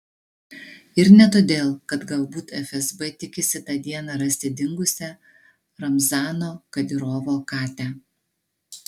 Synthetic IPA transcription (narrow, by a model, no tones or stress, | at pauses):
ɪɾnʲɛt̪oːd̪ʲeːlˠkɐt̪ɡɐlˠbuːt̪ɛfʲɛzbɛt̪ʲɪkʲɪsʲɪt̪ɑːd̪ʲiɛnɑɾɐsʲt̪ʲɪd̪ʲɪŋɡʊsʲɛ | ɾɐmzɑːnoːkɐd̪ʲɪɾoːʋoːkɑːt̪ʲæː